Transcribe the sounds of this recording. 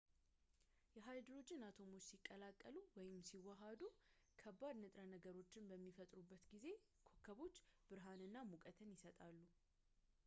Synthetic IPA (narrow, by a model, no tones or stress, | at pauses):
jɛɦajd̪ɾod͡ʒːɪnat̪ʰo̞mo̞t͡ʃːsikʼːəlakʼːəluwɔjɪmsiwɔɦad̪u | kʰəbːad̪nɨt̪ʼɾənəɡəɾo̞t͡ʃːɪnbəmːifət̪ʼɾubːət̪ɡize̞ | kʰokʰːəβo̞t͡ʃːb̥ɨɾɦanɨnːamukʼət̪ʰənjɪsət̪ʼalːu